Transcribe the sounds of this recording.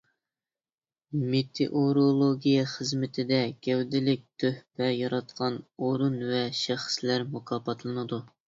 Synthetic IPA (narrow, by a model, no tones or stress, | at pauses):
met̪ʰḛʔoɾolˠoɡʲijɛχəzmɪt̪ʰɪd̪ɛɡʲɛwd̪ɪlɪk̚ʲt̪ʰøhpɛjɑɾɑt̪qʰɑnoɾunvɛʃæχə̥slæɾmukʰɑːpʰɑt̪ʰlˠɨnɨd̪u